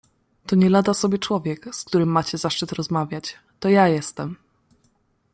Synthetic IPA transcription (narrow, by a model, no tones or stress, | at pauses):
t̪ɔɲɛlad̪asɔbʲjɛt͡ʂwɔvʲjɛkskt̪uɾɘmːat͡ɕɛzaʂt͡ʂɘt̪ɾɔzmavʲjat͡ɕ | t̪ɔjajɛst̪ɛm